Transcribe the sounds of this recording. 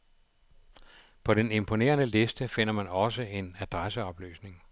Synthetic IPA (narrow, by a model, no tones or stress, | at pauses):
pʰɒ̽ɾene̝mpʰo̝ne̝̰ːɐnəle̝sd̥əfe̝n̰ɐmænɒ̽səe̝næd̥ʁasəɒ̽b̥ly̰ːsne̝ŋ